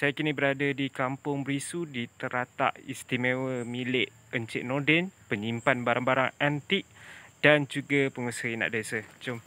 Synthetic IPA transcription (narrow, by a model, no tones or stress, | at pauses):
sajakinibəɾadadikampʊŋbɾisudit̪əɾat̪a̰ʔḭst̪imewəmilɪʔ | ənt͡ʃɪʔ̚nɔdɛnpəɲimpanbaɾaŋbaɾaŋant̪iʔ̚d̥and͡ʒuɡapəŋusəina̰ʔdasət͡ʃom